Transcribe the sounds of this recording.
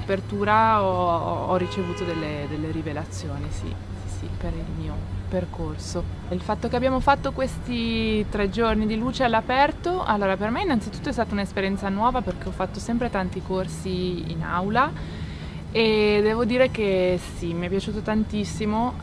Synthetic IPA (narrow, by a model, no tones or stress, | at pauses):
apert̪uːɾaɔɔrːit͡ʃevuːt̪od̪elːed̪elːeɾivelat̪sːjoːnisḭ | sisḭpeɾilmiːoperkorso | ilfat̪ːokeabjaːmofat̪ːokwest̪it̪ɾɛd͡ʒornid̪iluːt͡ʃealːapɛrt̪oʔa̰lːoːɾapermeinːant̪sit̪ut̪ːoɛst̪at̪aunespeɾjɛnt̪sanwɔːvaperk̟eɔfːat̪ːosɛmpɾet̪ant̪ikorsiḭna̰wla | ed̪ɛːvod̪iːɾekesimiɛpːjat͡ʃuːt̪ot̪ant̪isːimo